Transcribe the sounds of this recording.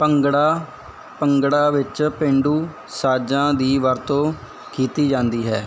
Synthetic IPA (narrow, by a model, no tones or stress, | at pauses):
pəŋɡɽaː | pəŋɡɽaːʋɪt͡ʃpẽɳɖuː | saːd͡ʒãːd̪iːʋəɾt̪õː | kʰiːt̪iːd͡ʒãːnd̪iːɦɛː